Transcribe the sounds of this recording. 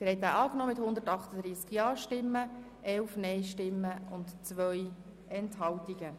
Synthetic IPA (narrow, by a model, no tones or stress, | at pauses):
ɪɾhɛɪt̪aʔɑːknɔːmɪt̪hʊnd̪ətɑχt̪əd̪ɾiːskjɑːʃtɪmːə | ʔɛlfnɛjʃtɪmːəʊntt͡sʋœj | ʔɛnthɑltiɡə